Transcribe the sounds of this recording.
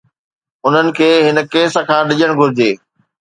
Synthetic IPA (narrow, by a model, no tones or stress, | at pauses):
ʊn̤ənɪ̆kʰeːɦɪnə̆keːsə̆kʰãːɗɪʄəɽ̃ɡʱʊɾɪd͡ʑeː